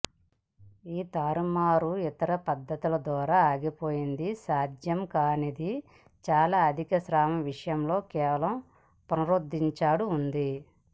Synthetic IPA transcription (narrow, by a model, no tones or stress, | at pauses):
iːt̪aːɾumaːɾuit̪ɐɾɐpɐd̪ːɐt̪ulɐd̪ʋaːɾaːaːɡipo̞ːjind̪isaːd͡ʒ̪jɐmkaːnid̪i | t͡ʃaːlaːɐd̪ʱikɐsɾaːmɐʋiʂɐjɐmlo̞ːkɛːʋɐlɐm | pɐnɐɾoːd̪ːiɲt͡ʃaːɽuːnd̪i